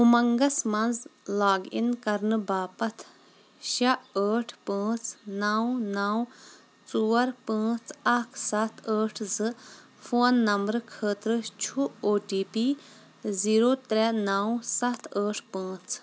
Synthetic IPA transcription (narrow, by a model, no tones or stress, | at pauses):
ɦumɐŋɡɐsmɐnzlaːɡḭnkɐɾnɨbaːpɐt̪ʰ | ʃɐəːʈʰpə̃ːt͡sʰnaːwnaːw | t͡suːɐɾpə̃ːt͡sʰakʰsɐt̪ʰəːʈʰzɨ | foːnːɐmbɾkʰəːt̪ɾɨt͡ʃʰuoːʈiːpi | ziːɾoːt̪ɾɛnaːwsɐt̪ʰəːʈʰpə̃ːt͡sʰ